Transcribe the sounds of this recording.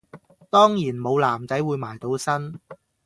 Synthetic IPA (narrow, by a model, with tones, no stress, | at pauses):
t̪ɔː˥ŋjiː˨˩nmo˨˧wlaː˨˩mt͡sɐ˨˥jwuː˨˧jmaː˨˩jt̪o˨˧wsɐ˥n